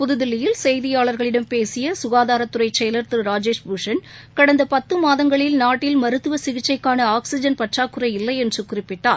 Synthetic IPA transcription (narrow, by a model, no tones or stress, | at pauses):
pʊðɯðɪlːɪjɪlsɛjðɪjaːɭɐɾɣɐɭɪɽɐmpeːsɪjɐsʊɣaːðaːɾɐt̪ːɯrɐɪt͡ʃɛjlɐɾt̪ɯɾɾaːd͡ʒeːʂbuʂɐn | kɐɽɐnd̪ɐpɐt̪ːɯmaːðɐŋɡɐɭɪlnaːʈːɪlmɐɾɯt̪ːɯʋɐsɪɣɪt͡ʃːɐɪkːaːnɐaːksɪd͡ʒɐnpɐʈraːkːɯrɐɪɪlːɐɪɛndrɯkʊrɪpːɪʈːaːɾ